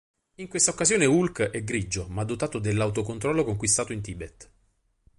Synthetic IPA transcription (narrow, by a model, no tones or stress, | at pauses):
iŋkwest̪aokːazjoːneulkɛɡɾid͡ʒːomad̪ːot̪aːt̪od̪elːawt̪okont̪ɾɔlːokoŋkwist̪aːt̪oint̪iːbɛt̪